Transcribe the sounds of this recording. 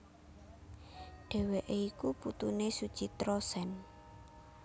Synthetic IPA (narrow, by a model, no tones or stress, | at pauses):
ɖ̥ɛ̤weʔeikuput̪unesud̥ʒ̥i̤t̪ɾosɛn